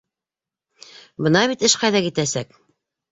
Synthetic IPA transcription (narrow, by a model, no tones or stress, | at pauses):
bɤ̆nɑβit̪ɘʃqɑjðɑkit̪æsæk